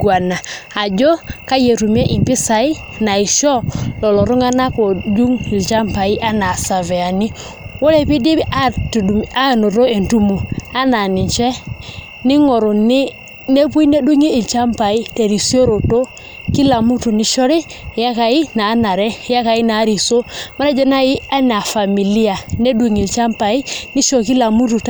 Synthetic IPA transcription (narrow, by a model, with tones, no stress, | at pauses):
ɡwa˨naː˨d͡ʒo˦ka˦je˨tu˨mɛ˦ʔɪ˨mpɪ˦sa˨ɪ˦ | na˨ɪ˨ʃɔ˦lɔ˨lɔ˨ɾu˦ŋa˦na˦ko˨d͡ʒu˦ŋɪ˨lt͡ʃa˦mpa˨i˦ʔa˦na˨sa˨vɛ˨a˨ni˦ | wo˦le˦pi˦di˦a˦˨ | a˦˨no˨ɾo˦e˨ntu˦mo˨a˦na˨nɪ˨ɲt͡ʃɛ˦ | ni˦ŋo˨ɾo˨ni˦ | ne˦pu˦i˦ne˦du˦ŋi˦i˨lt͡ʃa˦mpa˨i˦te˨ɾi˨so˦ɾo˨to˦ | ki˦la˨mu˦tu˨ni˨ʃo˦ɾe˦˨ | ja˦ka˨i˦naː˨˦na˨ɾɛ˦ja˦ka˨i˦na˨˦ɾi˨so˦ma˦na˦d͡ʒe˦na˦ji˦a˦n˨a˨fa˨mi˨li˦a˨ne˦du˨˦ŋi˨lt͡ʃa˦mpa˨i˦ni˦ʃo˨ki˦la˨mu˦tu˨t